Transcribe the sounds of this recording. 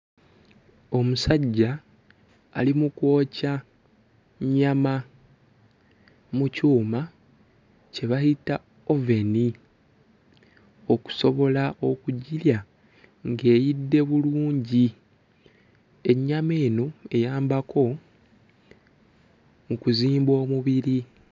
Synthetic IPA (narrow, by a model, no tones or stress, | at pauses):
o̞musaɟːa̰ː | limuko̞ːca | ɲama | mucuːma | ce̞βahita | o̞ve̞ni | o̞ku̥so̞βo̞laʔo̞kuɟilja | ŋɡe̞ːjidːe̞βuluːɲɟi | e̞ɲːame̞ːno̞e̞jaːmbako̞ | mukuziːmbo̞ːmuβiɾi